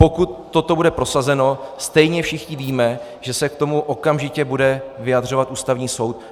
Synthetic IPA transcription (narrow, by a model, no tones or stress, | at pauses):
po̞kut̪ːo̞t̪o̞budɛpɾo̞sazɛno̞st̪ɛjɲɛfʃɪxɲɪviːmɛ | ʒ̥ɛsɛk̚t̪o̞muʔo̞kamʒɪcɛbudɛvɪjadr̝o̞vat̪ʔuːst̪avɲiːso̞wt̪̚